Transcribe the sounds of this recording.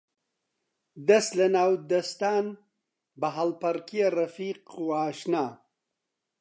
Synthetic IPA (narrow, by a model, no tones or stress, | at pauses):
d̪ɐslɐnaːwd̪ɐst̪aːn | bɐɦalpɐɾkijɐrɐfiːquaːʃnaː